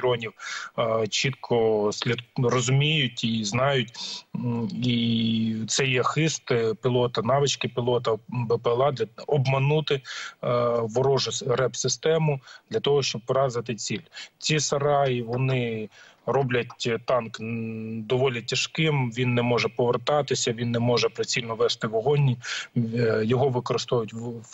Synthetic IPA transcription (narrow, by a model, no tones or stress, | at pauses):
ɾɔnʲiw | t͡ʃit̪̚kʰɔsʲlʲid̪rɔzʊmʲijʊtʲiznɑjʊtʲ | it̪sɛjɛxɪst̪pʲilˠɔt̪ɐnɑʋɪt͡ʃkɪpʲilˠɔt̪ɐbɛpɛlˠɑd̪ʲɐɔbmɐnut̪ɪ | ʋɔɾɔʒʊrɛbsɪst̪ɛmʊd̪lʲɐt̪ɔɦɔʃt͡ʃɔb̚pɔɾɑzɪt̪ɪt͡sʲilʲt͡sʲisɐɾɑjiʋɔnɪrɔblʲɐtʲt̪ɑnkd̪ɔʋɔlʲitʲɐʃkɪmʋʲinːɛmɔʒɛpɔʋert̪ɑt̪ɪsʲɐʋʲinːɛmɔʒɛpɾɪsʲilʲnɔʋɛst̪ɪʋɔɦɔnʲːi | jɔɦɔʋɪkɔɾɪst̪ɔʋjʊtʲ